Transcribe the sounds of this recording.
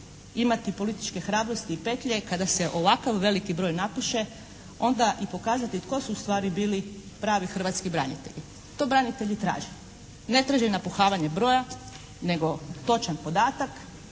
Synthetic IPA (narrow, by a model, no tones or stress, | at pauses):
imat̪ipo̞lit̪i̥t͡ʃke̞xɾaːbɾo̞st̪iːpe̞t̪ʎe̞kad̪ase̞ʔo̞ʋakaʋːe̞likibɾo̞ːjnapuʃe | o̞nd̪aʔipo̞kaːzat̪it̪ko̞suːst̪ʋaːɾibiːlipɾaːʋixr̩ʋat̪skibɾanḭt̪e̞̰ʎi | t̪o̞bɾanit̪e̞ʎit̪ɾa̰ːʒe | ne̞t̪ɾaʒenapuxaːʋaɲebɾo̞ːja | ne̞ɡo̞t̪o̞t͡ʃanpo̞d̪aːt̪ak